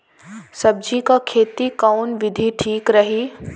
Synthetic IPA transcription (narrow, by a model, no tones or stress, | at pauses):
sɐb̚d͡ʑikakʰeːt̪ikaːnʋɪd̪ʱiʈʰiːkɾɐɦiː